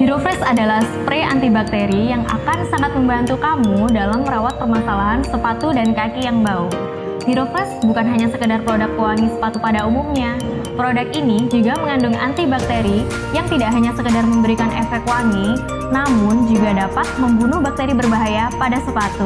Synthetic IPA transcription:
hiɾofɾɛsadalahspɾea̰nt̪ibak̚t̪eɾijaŋʔa̰kansaŋat̪̚məmbant̪ukamudalamːəɾawat̪̚pərmasalaɦansəpat̪udankakijaŋbau | hiɾofɾɛsbukanɦaɲasəkədarpəɾodak̚ːuwaŋisə̥pat̪upadaumumɲa | pɾodakinid͡ʒuɡaməŋandʊŋa̰nt̪ibak̚t̪eɾi | jaŋt̪idaʔɦaɲasəkədarməmbəɾikanɛfɛk̚waŋi | namʊnd͡ʒuɡadapat̪̚məmbunʊhbak̚t̪eɾibərbaɦajapadasəpat̪u

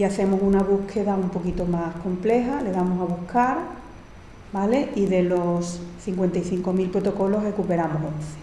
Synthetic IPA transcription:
iaθe̞mosunaβuhkʰe̞ðaumpo̞kit̪o̞mahko̞mple̞ɦale̞ðamosaβuhkʰaɾ | bale̞iðe̞lo̞sθiŋkwe̞nt̪aiθiŋko̞milpɾo̞t̪o̞ko̞lo̞ɦre̞kupe̞ɾamoɦonθe̥

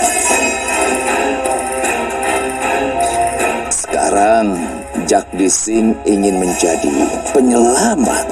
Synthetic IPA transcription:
sə̥ka̰ɾaŋ | d͡ʒak̚disɪniŋɪnməɲd͡ʒadḭpəɲəlama̰t̪̚

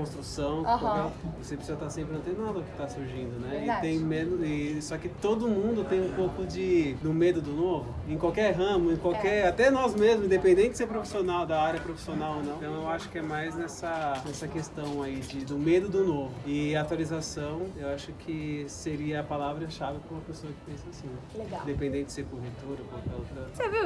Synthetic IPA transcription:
kõst̪ɾusɐ̃w̃kkawkɛɾvosepɾɪsizɐt̪aɾsẽpɾɪnɐ̃t̪ẽj̃nad̪ɐʊkɪ̥t̪asuɾʒĩnd̪ʊnɛɪt̪ẽj̃mẽnʊɪsɔkɪt̪od̪ʊmũd̪ʊt̪ẽj̃ũpowkʊd͡ʒɪd̪ʊmed̪ʊd̪ʊnovʊẽkwawkɛɾɦɐ̃mʊẽkwawkɛɾat̪ɛnɔzmezmʊzẽd̪epẽnd̪ẽɪdɪseɾpɾofi̥sionawd̪ɐaɾjɐpɾofi̥sionawonɐ̃w̃t̪ɐ̃w̃ewaʃʊ̥kɪɛmajznɛsɐnɛsɐkest̪ɐ̃w̃aid͡ʒɪd̪ʊmed̪ʊd̪ʊnovʊɪaat̪ualizasɐ̃w̃ewaʃʊkʰɪseɾiɐːpalavɾɐʃavɪkɾõumɐpesoɐkɪ̥pẽsasĩnɛleɡãd̪epẽd̪ẽɪdɪ̥seɾkõhet̪oɾɐkõakɛlʊt̪ɾɐ̃

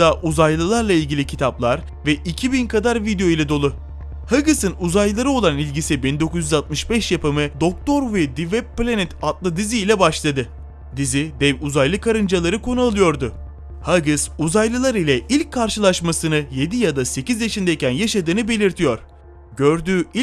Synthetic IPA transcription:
aʔuzajlˠɯlˠaɾlˠailʲɟʲilʲicʰit̪ʰaplˠaɾ | vɛʔicʰibinkʰad̪aɾvid̪ejo̞ilʲɛd̪o̞lˠʊ | haɡɯsɯnuzajllˠaɾɯo̞lˠanilʲɟisibind̪o̞kuzjyzat̪̚mɯʃbɛʃjapɯmɯd̪o̞k̚t̪ʰo̞ɾvɛd̪ivɛb̚pːlʲanɛt̪at̪lˠɯd̪iziːlʲɛbaʃlˠad̪ɯ | d̪izid̪ɛvuzajlˠɯkʰaɾɯnd͡ʒalˠaɾɯkʰo̞nualˠɯjo̞ɾd̪ʊ | haɡɯsuzajlˠɯlˠaɾilʲɛʔilʲc̚kʰːaɾʃɯlˠaʃmasɯnɯje̞d̪ijad̪ase̞cizjaʃind̪ɛicʰænjaʃad̪ɯːnɯbe̞lʲiɾt̪ʰijo̞ɾ̥ | ɟø̞ɾd̪yːi

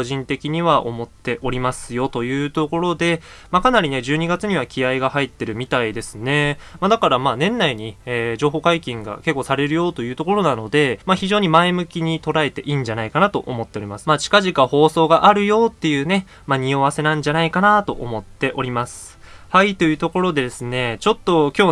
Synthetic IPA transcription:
oʑĩnt̪e̞kʲiɲ̟iβaʔo̞mo̞t̪ːe̞ʔo̞ɾʲimasɨjo̞t̪o̞jɯ̟ːt̪o̞ko̞ɾo̞d̪e̞ | makanaɾʲine̞ʑɨːɲ̟iɡat͡sɨɲ̟iβakʲiaiɡahait̪ːe̞ɾɯ̟mʲit̪aid̪e̞sɨne̞mad̪akaɾamaːnẽ̞nːaiɲ̟ieːʑo̞ːɦo̞ːkaikʲĩŋɡa̰ke̞kːosaɾe̞ɾɯ̟jo̞ːt̪o̞jɯ̟ːt̪o̞ko̞ɾo̞nano̞d̪e̞maçiʑo̞ːɲ̟imaemɯ̟kʲiɲ̟it̪o̞ɾae̞t̪e̞ʔiːɲ̟d͡ʑanaikanat̪o̞̰ʔo̰mo̞t̪ːe̞o̞ɾʲimasɨ̥maːt͡ɕi̥kaʑikaho̞ːso̞ːɡaʔaɾɯ̟jo̞ːt̪ːe̞jɯ̟ːne̞ | maɲ̟io̞βase̞nãɲ̟d͡ʑanaikanat̪o̞̰ʔo̰mo̞t̪ːe̞ʔo̞ɾʲimasɨ̥hait̪ːo̞jɯ̟ːt̪o̞ko̞ɾo̞d̪e̞d̪esɨne̞t͡ɕo̞t̪ːo̞kʲo̞ː

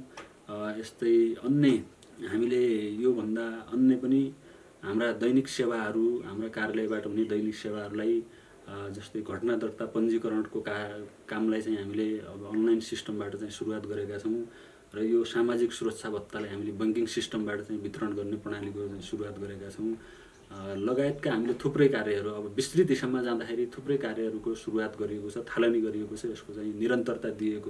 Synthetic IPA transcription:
est̪ʌjʌnːe | ɦamilejobʱʌnd̪aʌnːepʌni | ɦamrad̪ʌjniksewaɦʌɾuɦamrakarjalʌjbaʈʌɦuned̪ʌjniksewaɦʌɾulaj | d͡zʌst̪ʌjɡʱʌʈnad̪ʌrt̪apʌnd͡zikʌɾʌɳʈkokakamlajt͡saĩɦamileʌbʌːnlajnsisʈʌmbaʈʌt͡saĩsuɾuwat̪ɡʌɾekat͡sʰʌw̃ | rʌjosamad͡ziksuɾʌkt͡sʰabʱʌt̪ːalajɦamilebʌŋkiŋsisʈʌmbaʈʌt͡saĩbʱit̪rʌɳɡʌrnepʌɽ̃anikot͡saĩsuɾuwat̪ɡʌɾekat͡sʰʌw̃ | lʌɡaet̪kaɦamilet̪ʰuprʌjkaɾjʌɦʌɾuʌbʌbislid̪isamad͡zãd̪akʰeɾit̪ʰuprʌjkarjʌɦʌɾukosuɾuwat̪ɡʌɾiekot͡sʰʌt̪ʰalawniɡʌɾijekot͡sʰʌeskot͡saĩniɾʌnt̪ʌrt̪ad̪ieko

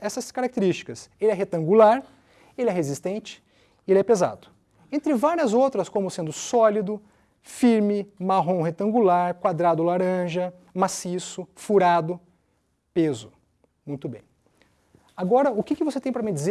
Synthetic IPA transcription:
ɛsɐskaɾak̚ɪt̪eɾist͡ʃi̥kɐselɪɛɦet̪ɐ̃ŋɡulaɾ | elɪɛɦezist̪ẽnt͡ʃɪ̥ | elɪɛpeza̰d̪ʊ | ẽnt̪ɾɪvaɾiɐzowt̪ɾɐskõmʊsẽnd̪ʊsɔlid̪ʊ | fiɾmɪmaɦõw̃ɦet̪ɐ̃ŋɡulaɾkwad̪ɾad̪ʊlaɾɐ̃ʒɐ | masisʊfuɾad̪ʊ | pezʊ | mũj̃t̪ʊbḛ̃j̃ | aɡɔɾɐʊkɪkɪvoset̪ẽj̃pɾɐmĩd͡ʒize

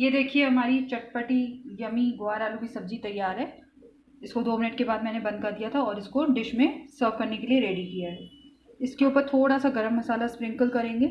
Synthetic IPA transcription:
jeːd̪eːkʰieɦɐmaːɾit͡ʃɐʈ̚pəʈijɐmĩɡʊaːɾaːlubʱisɐb̚d͡ʒit̪ɐjːaːɾɦɛː | ɪskod̪oːmɪnəʈkebaːd̪̚mɛːnebɐ̃nd̪̚kɐɾd̪ijat̪ʰaɔːɾɪskoɖɪʃmẽsəːɾfkɐɾnekelieɾeːɖikijaɦɛ | ɪskeuːpəɾt̪ʰoːɽasaɡɐɾəmːɐsaːlaspɾɪ̃ŋkəlkɐɾẽːŋɡeː

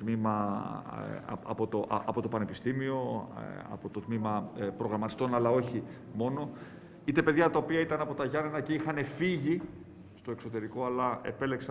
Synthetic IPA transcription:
t̪mimɐ | ɐ̰po̞t̪oʔɐpo̞t̪o̞pɐne̞pist̪imio̞ɐ̰po̞t̪ot̪mimɐpɾo̞ɣɾɐmɐt̪i̥st̪o̞nɐlɐo̞çi | mo̞no̞ | it̪e̞pe̞ðʝɐt̪ɐo̞piɐit̪ɐnɐpo̞t̪ɐʝɐnenɐceixɐne̞fiʝi | st̪o̞ekso̞t̪e̞ɾiko̞ɐlɐe̞̰pe̞le̞ksɐ

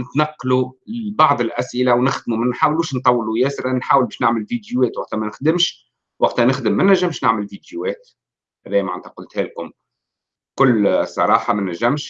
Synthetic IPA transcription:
nɪt̪nɑqːlubɑʕðˤɪlʔæsʔɪlawnɪxd̪mumænħaːwluːʃnt̪ˤɑwːlujɛːsɾanħaːwəlbɛːʃnɪʕməlvid̪juwɛːt̪waqt̪æmænɪxd̪ɪmʃ | waqt̪ænɪxd̪əmːænːæʒːəmʃnaʕməlvid̪juwɛːt̪ | hæðɛːjmʕa̰nt̪ʰæqʊlt̪hæːlkʊm | kʊlːsˤːɑ̰ɾˤɑːħɑmænæʒːæmʃ

